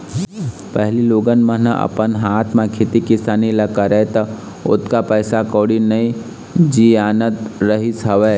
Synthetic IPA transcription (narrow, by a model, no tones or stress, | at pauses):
pəɦliloːɡənmə̃nəə̰pənɦaːt̪ʰmãkʰeːt̪ikɪsaːniləkəɾɛt̪ə | ʊ̰t̪kapəːsakɔːɽinəĩ | d͡ʒiaːnət̪ɾəɦisɐʋɛː